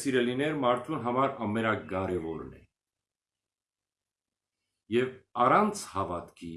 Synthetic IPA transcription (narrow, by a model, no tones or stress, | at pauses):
siɾɛlinɛɾmɑɾt̪ʰunɦɑmɑɾɑmɛɾɑɡɑɾɛvɔɾnɛ̰ | jɛvɑrɑnt͡sʰhɑvɑt̪kʰi